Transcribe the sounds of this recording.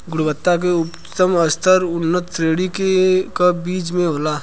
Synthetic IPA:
ɡʊɽbət̪ːak̬eʊp | t̪əməst̪ʰəɾʊnːət̪ːɾeːɽikekabiːt͡ʃmẽɦoːlaː

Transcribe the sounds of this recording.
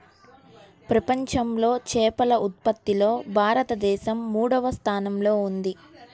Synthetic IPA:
pɾɐpɐɲt͡ʃɐmlo̞ːt͡ʃɛːpɐlɐʔut̪̚pɐt̪ːilo̞ːbʱaːɾɐt̪ɐd̪ɛːʃɐmːuːɽɐʋɐst̪ʰaːnɐmlo̞ːund̪i

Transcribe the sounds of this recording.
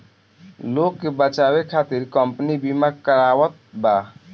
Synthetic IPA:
loːkːebət͡ʃaːwekʰaːt̪iɾkəmpnibimakəɾaːwət̪̚ba

